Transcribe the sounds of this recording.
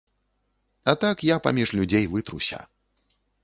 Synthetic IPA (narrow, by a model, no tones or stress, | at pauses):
at̪akjapa̰mʲiʂlʲud͡zʲejvɨt̪ɾusʲɐ̰